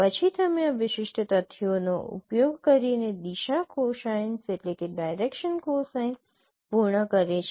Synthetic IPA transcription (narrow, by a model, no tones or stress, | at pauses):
pət͡ʃʰit̪ʰəmeaʋɪʃɪʃʈət̪ət̪ʰːʋjonoṵpjoɡkəɾined̪iʃakoʃajnseʈlekeɖajɾekʃənkosajn | puɾɳəkəɾet͡ʃʰe